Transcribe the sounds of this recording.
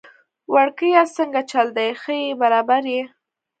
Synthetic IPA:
waɽkəjasəŋɡat͡ʃald̪ajxəjebaɾɑbaɾje

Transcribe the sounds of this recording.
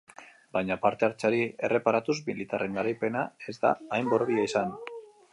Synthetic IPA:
bajɲapaɾt̪e̞aɾt͡ʃaɾie̞re̞paɾat̪uzmilit̪are̞ŋɡaɾajpe̞nae̞zd̪a̰ːjmbo̞ɾβiaisan

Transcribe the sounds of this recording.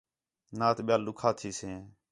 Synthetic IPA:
nãːt̪ɓɪjaːlːʊkʰaːt̪ʰiːsẽː

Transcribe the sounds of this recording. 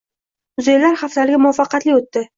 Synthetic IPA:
ʊzejlaɾχaft̪alɪɡʲamʊafɑqɑt̪lɪot̪ːɪ

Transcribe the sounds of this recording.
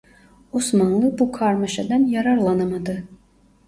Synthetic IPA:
osmɑnlˠɯbukʰɑɾmɑʃɑd̪ɑnjɑɾɑɾlˠɑnamad̪ɯ

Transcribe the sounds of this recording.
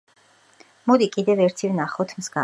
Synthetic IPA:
mɔd̪ikʼid̪ɛvɛɾt̪ʰivnaχɔt̪ʰmzɡa

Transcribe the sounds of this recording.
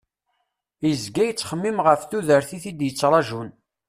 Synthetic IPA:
jəzɡæjət͡sːχəmːimʁəfθuðəɾθiθid̪jət͡sːɾˤɑʒun

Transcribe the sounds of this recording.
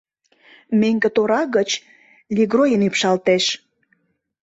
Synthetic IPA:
meŋɡə̆t̪oɾɑɣət͡ɕ | lʲiɣrojənipʃɑlt̪eʃ

